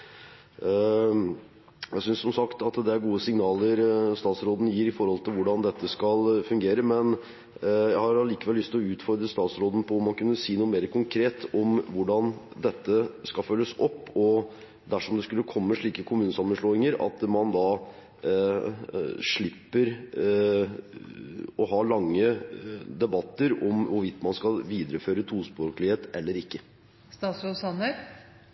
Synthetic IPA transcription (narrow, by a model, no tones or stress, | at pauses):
jæɪsʏnsɔmsɑkt̪ɑt̪d̪ɛæɾɡuːəsɪŋnɑːləɾst̪ɑːt̪sɾoːd̪n̩jiːɾɪfɔɾhɔlt̪ʰɪlʋʊɖɑnd̪ɛt̪ːəskɑlfʉŋɡeːɾəmɛn | jæɪhɑɾɑliːkəʋɛlːʏst̪ɪlɔʉːt̪fɔɾd̪ɾəst̪ɑːt̪sɾoːd̪ən̩pʰɔʊmːɑnkʉnːəsiːnuːəmeːɾəkʰʊŋkʰɾeːt̪ɔmʋʊɖɑnd̪ɛt̪ːəskɑlfœlːəsɔpːɔ | d̪æʂɔmd̪ɛskʉlːəkʰɔmːəʂɭiːkəkʰʊmʉːnəsɑmːənʂɭoːɪŋəɾɑ̰t̪mɑnd̪ɑː | ʂɭɪpːəɾ | ɔɦɑɭɑŋːəd̪ɛbɑt̪ːəɾɔmʋʊɾʋɪt̪ːmɑnskɑʋiːd̪ɾəføːɾət̪ʰuːspɾoːklɪheːt̪ɛlːəɾɪkːə | st̪ɑːt̪sɾoːd̪sɑnə